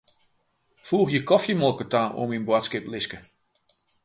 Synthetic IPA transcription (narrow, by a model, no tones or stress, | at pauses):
fuːxjəkɔfjəmɔlˠkətaːo̰minbwatskɪplɪskə